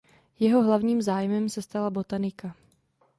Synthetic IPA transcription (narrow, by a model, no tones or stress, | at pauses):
jɛɦo̞ɦlavɲiːmzaːjmɛmsɛst̪alabo̞t̪anɪka